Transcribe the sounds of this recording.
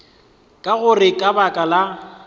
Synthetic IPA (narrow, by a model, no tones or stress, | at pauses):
kʼaɣʊrɪkʼabakʼala